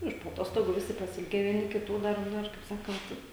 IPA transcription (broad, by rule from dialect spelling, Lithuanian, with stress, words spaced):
ˈɪʃ poː ɐˈtoːstoːɡuː ˈʋʲɪsʲɪ pɐsʲɪˈɪlʲɡʲæː ʋʲiɛˈnʲɪ kʲɪˈtuː ˈdɐr ˈnoːr kɐɪp ˈsɑːkɐnt